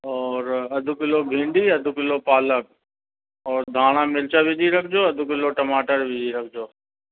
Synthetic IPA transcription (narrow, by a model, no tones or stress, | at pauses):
ɔːɾɐd̪ʱʊkɪlobʱĩːɳɖiːɐd̪ʱʊkɪlopaːlək̚ | ɔːɾd̪ʱaːɽ̃ãːmɪlt͡ʃaʋɪd͡ʒiɾɐk̚ʰd͡ʒoːɐd̪ʱʊkɪloʈəmaːʈəɾʋɪd͡ʒiɾɐkʰd͡ʒoː